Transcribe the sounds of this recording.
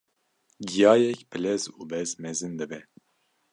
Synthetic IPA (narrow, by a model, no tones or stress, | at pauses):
ɡijɑːjɛkbɨlɛzuːbɛzmɛzɨnd̪ɨbɛ